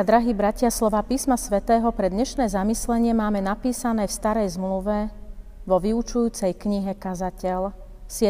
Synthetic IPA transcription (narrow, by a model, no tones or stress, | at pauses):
ad̪ɾaɦiːbɾacɪaslɔʋaːpiːsmasʋɛt̪ɛːɦɔpɾɛd̪ɲɛʃnɛːzamislɛɲɪɛmaːmɛnapiːsanɛːfst̪aɾɛjzmluʋɛʋɔʋiut͡ʃujuːt͡sɛjkɲiɦɛkazacɛl | sɪɛ